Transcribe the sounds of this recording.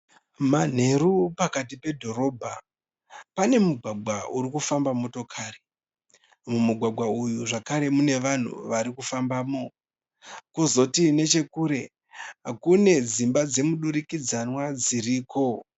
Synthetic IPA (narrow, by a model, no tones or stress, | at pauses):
man̤e̞ɾupakatipe̞dʱo̞ɾo̞ːbʱa | pane̞muɡʱwaɡ͡bʱwauɾikufambamo̞to̞kʰaːre | mumuɡʱwaɡʱwaujuʐakaɾe̞mune̞ʋan̤ṵʋaɾikufambaːmo̞ | kuzo̞tine̞t͡ʃe̞kuːɾe̞ | kune̞d͡zimbad͡ze̞muɗuɾikid͡zanwad͡ziriːko̞